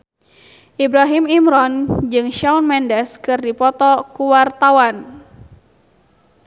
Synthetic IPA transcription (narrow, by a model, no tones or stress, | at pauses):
ʔibɾaɦimimɾɔnd͡ʒɨŋʃawnmɛndɛskɨrdipɔt̪ɔkuwart̪awan